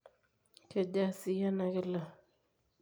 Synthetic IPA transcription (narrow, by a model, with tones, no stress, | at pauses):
ke˨da˦si˨ja˦na˨kɛ˦˨la˨